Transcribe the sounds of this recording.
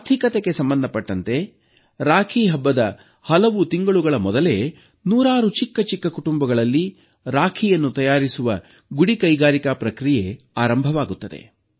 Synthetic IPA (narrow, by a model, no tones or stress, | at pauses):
t̪ʰikɐt̪e̞ɡe̞sɐmbɐnd̪ʱɐpɐʈːɐnt̪e̞ | ɾaːkʰiɦɐbːɐd̪ɐ | hɐlɐʋut̪iŋɡɐɭuɡɐɭɐmɔd̪ɐle̞ | nuːɾaːɾut͡ʃikːɐt͡ʃikːɐkuʈumbɐɡɐɭɐlːi | ɾaːkʰijɐnːut̪ɐjaːɾisuʋɐ | ɡuɽikɐjɡaːɾikapɾɐkɾije | aːɾɐmbʱɐʋaːɡut̪ːɐd̪e̞̰